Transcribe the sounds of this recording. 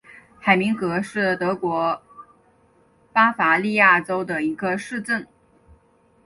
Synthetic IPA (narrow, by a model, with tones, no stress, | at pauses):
xa˨˩ɪmi˧˥ŋkɤ˧˥ʂɻ̩˥˩t̪ɤ˧˥kwɔ˧˥ | pa˥fa˧˥li˥˧ja˥˩ʈ͡ʂo˥ʊd̪ə˨i˧˥ɡə˧ʂɻ̩˥˧ʈ͡ʂə˥˩n